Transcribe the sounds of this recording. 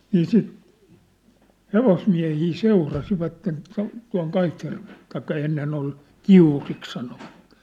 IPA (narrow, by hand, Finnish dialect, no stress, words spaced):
niː siˑt heʋosmiæ̝hiː seurɑsiʋɑtːen tuɑ̝n tuɑ̝ŋ kɑitjærʋe̥l̥ːe̥ tɑikːɑ enːen ol kiurik sɑnoʋɑt